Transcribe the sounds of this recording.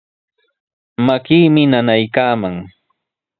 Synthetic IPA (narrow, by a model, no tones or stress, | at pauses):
makiːmɪnanajkaːmaŋ